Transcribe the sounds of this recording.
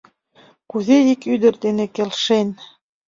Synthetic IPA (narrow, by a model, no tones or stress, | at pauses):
kuðeikyd̪ɘ̆ɾd̪enĕkelʲʃen